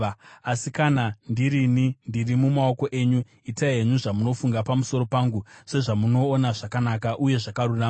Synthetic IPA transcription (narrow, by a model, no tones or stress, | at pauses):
asikanandiɾinindirimumao̞ko̞ʔe̞ːɲu | itaeɲuʐamuno̞fuŋɡapamusoɾo̞paːŋɡuse̞ʐamuno̞ːnaʐakanakaʔuje̞ʐakaruraːm